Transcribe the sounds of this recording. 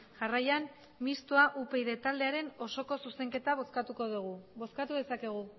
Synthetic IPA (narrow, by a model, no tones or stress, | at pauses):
ʝarajan | mist̪uaʔupe̞jðe̞t̪ald̪e̞aɾe̞no̞so̞ko̞suse̞ŋke̞t̪askat̪uko̞ðuɣuβo̞skat̪uðe̞sake̞ɣ̞u